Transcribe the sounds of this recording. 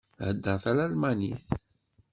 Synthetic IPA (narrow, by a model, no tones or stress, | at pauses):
həd̪ːəɾˤθælælmænḭθ